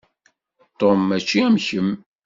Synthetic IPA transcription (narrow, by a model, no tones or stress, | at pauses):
t̪omæt͡ʃːiæmçəm